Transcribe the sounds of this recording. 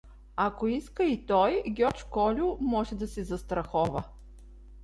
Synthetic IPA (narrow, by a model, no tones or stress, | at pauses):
akoiskəit̪ɔjɡʲɔt͡ʃkɔlʲʊmɔʒɛd̪ɐsɛzɐst̪ɾɐxɔvə